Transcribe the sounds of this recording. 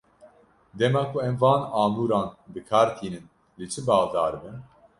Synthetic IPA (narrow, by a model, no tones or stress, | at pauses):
d̪ɛmaːkʰuɛmvɑːnɑːmuːɾɑːnbɨkʰaːɾt̪ʰiːnɨn | let͡ʃʰɨbɑːɣd̪aːɾɨbɨn